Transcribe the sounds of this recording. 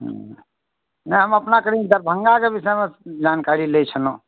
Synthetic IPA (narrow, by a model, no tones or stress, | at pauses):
ɦ | nəɦəməpnakəɾid̪əɾbʱəŋɡakebisɛmed͡ʒankaɾilet͡ʃʰəno